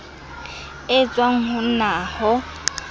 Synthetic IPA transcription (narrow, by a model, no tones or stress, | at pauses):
ɪt͡sʼwaŋ̩hʊnaːhɔ